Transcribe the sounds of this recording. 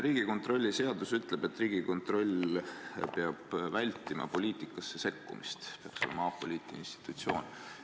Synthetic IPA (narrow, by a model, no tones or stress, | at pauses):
riːɡ̥iko̞nt̪ˑro̞lʲːise̞ɑd̪̥usyt̪ˑleb̥e̞t̪ːˑriːɡ̥iko̞nt̪ˑro̞lʲ | peɑb̥vælʲt̪ːˑimɑ̰po̞lʲiːt̪ˑikːˑɑsːese̞kːṵmist̪peɑkso̞̰lḛmɑɑpːo̞liːt̪ˑiinst̪i̥t̪ːˑut̪sio̞̰ːn